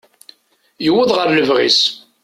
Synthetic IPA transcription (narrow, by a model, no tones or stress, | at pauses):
jəwːəðˤʁəɾləvʁḭs